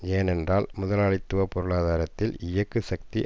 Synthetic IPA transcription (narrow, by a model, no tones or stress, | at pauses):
eːnɛndraːlmʊðɐlaːɭɪt̪ːɯʋɐpɔɾɯɭaːðaːɾɐt̪ːɪlɪjɐkːɯsɐk̚t̪i